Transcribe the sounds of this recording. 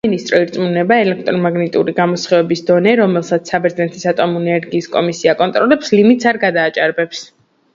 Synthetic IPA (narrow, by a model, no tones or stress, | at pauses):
inist̪ʼɾɔiɾt̪sʼmunɛbaɛlɛk̚ʰt̪ʼɾɔmaɡnit̪ʼṵɾiɡamɔsχɛvɛbisd̪ɔnɛɾɔmɛlˠsat̪sʰsːabɛɾd̪znɛt̪ʰisat̪ʼɔmuɛnɛɾɡiːskʼɔmisiakʼɔnt̪ʼɾɔlɛpslimit̪ʼsaɾɡad̪aːt͡ʃʼaɾbɛps